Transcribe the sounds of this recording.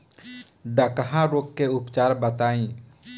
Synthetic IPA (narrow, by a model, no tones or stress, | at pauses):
ɖəkɦãɾoːkːeʊpt͡ʃaːɾbət̪aːĩː